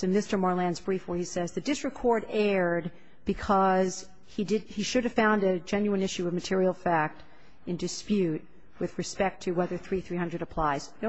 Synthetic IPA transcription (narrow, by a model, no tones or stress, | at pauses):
ɨ̃mɪstə˞mɔɹlæ̃nzbɹifwə˞isɛzðɨdɪsɹ̥ɨkʰɔɹɾɛɹd̚ | b̥ɨkʰʌz̥ | idɪd̚iʃʊɾɨv̥fãʊ̃ndɨd͡ʒɛ̃njʉɨ̃nɪʃʉʌvmɨtʰɪɹil̩ˠfæk̚t | ɨ̃ndɨspjʉt̚ | wɨðɹɨspɛk̚tʰɨwɛðə˞θɹiθɹihʌ̃ndɹɨɾɨpʰl̥aɪz̥n